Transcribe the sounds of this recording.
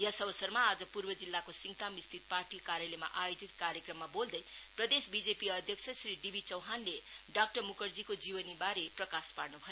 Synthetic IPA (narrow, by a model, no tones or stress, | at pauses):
jʌsʌbʌsʌrmaːd͡zʌpurbʌd͡zilːakosiŋt̪amist̪ʰit̪̚parʈikaɾjalema̰ʔajod͡zit̪̚kaɾjekrʌmːabold̪ʌj | prʌd̪esbid͡zepiʌd̪ʱjʌk̚sʰʌsriɖibʱit͡sʌwɦanle | ɖak̚ʈʌmukʌrd͡zikod͡zibʌnibaɾeprʌkasparnubʱʌjo